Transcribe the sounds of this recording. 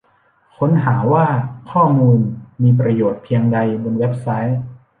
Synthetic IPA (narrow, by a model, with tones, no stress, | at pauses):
kʰo˦˥nɦaː˩˦waː˥˩kʰɔː˥˩muː˧nmiː˧p̬ɾa˧joː˨˩t̪̚pʰi˧əŋda˧jbo˧nwe˦˥p̚sa˦˥j